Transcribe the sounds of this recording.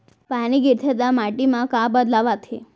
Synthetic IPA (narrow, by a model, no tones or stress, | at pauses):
paniɡiɾt̪ʰet̪amaʈimãkãbəd̪laʋat̪ʰe